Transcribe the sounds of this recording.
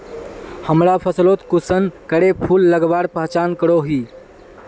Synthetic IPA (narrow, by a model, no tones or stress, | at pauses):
həmɾapʰəslot̪kusənkəɽepʰulːəɡbaɾpəɦt͡ʃankəɽoɦi